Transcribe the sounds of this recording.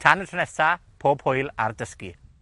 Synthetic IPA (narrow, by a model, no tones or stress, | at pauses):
tʰanətʰənɛsapʰoːb̥hojla̰rdəski